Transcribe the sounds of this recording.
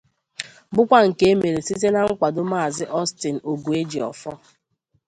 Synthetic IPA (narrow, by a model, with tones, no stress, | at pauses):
bʊ˦kʷa˦ŋ̩˨ke˦e˦me˨ɾe˨si˦te˦na˦ŋ̩˦kʷa˨dʊ˦ma˦˨zɪ˦ʔɔ˦stɪ˨n̩˨o˨ɡu˨e˦d͡ʒi˨ɔ̰˨fɔ˦